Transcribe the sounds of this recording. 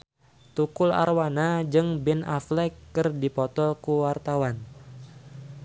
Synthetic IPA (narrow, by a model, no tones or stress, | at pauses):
t̪ukʊla̰rwanad͡ʒɨŋbɛna̰flɛkːɨrdipɔt̪ɔkuwart̪awan